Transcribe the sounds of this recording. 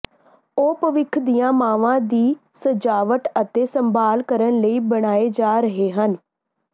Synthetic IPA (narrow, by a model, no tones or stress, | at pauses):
oːpəʋɪkʰd̪ijãːmaːʋãːd̪iːsəd͡ʒaːʋəʈət̪eːsəmbaːlkəɾənləiːbəɽ̃aːeːd͡ʒaːɾəɦeːɦən